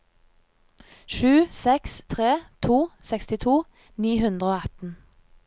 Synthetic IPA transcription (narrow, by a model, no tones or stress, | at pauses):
ʃʉːsɛkst̪ʰʁeːt̪ʰuːsɛkst̪ɪt̪ʰuː | niːhʉnd̪ʁəoːɑt̪n̩